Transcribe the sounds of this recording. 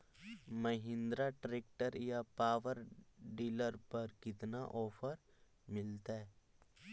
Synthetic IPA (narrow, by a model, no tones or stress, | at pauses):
mɐɦɪ̃nd̪ɾaʈɾeːk̚ʈəɾjapaːʋəɾɖiːləɾpɐɾkɪt̪naʔɔːpʰəɾ | mɪlt̪aɦɛ